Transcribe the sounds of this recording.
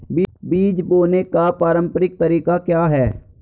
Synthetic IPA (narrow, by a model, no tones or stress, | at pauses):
bibiːd͡ʒboːnekapaːɾə̃mpəɾɪk̚t̪əɾiːkakjaːɦɛː